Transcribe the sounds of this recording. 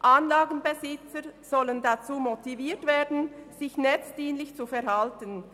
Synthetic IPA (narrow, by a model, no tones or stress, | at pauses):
ʔanlaːɡn̩bezɪt͡səz̥ɔləndat͡suːmotiviːtv̥eːɐdn̩z̥ɪçnɛt͡sd̥iːnlɪçt͡sufɛɐhaltən